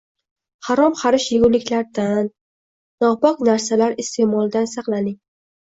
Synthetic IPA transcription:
hɑɾɒmqʰɑɾɪʃjɪɡʲʊnlːɪkʲlaɾd̪anː | ɒbɒqnaɾsalaɾɪst̪ʰe̞mɒlˠd̪ansɑqlˠanɪŋ

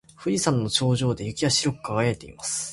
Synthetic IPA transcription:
ɸɯ̟ɾʲisãnːo̞t͡ɕo̞ːʑo̞ːd̪e̞jɯ̟kʲiaɕiɾo̞kɯ̟̥kaɡaet̪e̞̰ḭmasɨ̥

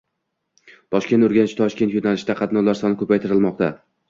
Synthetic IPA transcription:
t̪ʰɒʃkʲe̞nt̪oɾɡʲanɪt͡ʃʰt̪ʰɒʃkʲe̞nt̪jonalɪʃd̪aqʰɑt̪nɒlaɾsɒnɪkʰɵpajt̪ʰɪɾɪlmɒqt̪a

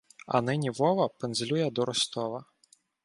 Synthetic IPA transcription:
a̰nɪnʲivɔvɐpɨnzʲlʲujɛd̪ɔɾɔst̪ɔvɐ

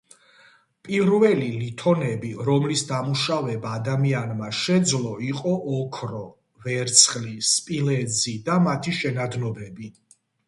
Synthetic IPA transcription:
pʼivɾvɛlilit̪ʰɔnɛbiɾɔmlisd̪amuʃavɛbaːd̪amianmaʃɛd̪zlˠɔiqʼɔʔɔkʰɾɔ | vɛɾt̪sʰχlispʼilɛd̪zid̪amat̪ʰiʃɛnad̪nɔbɛbi

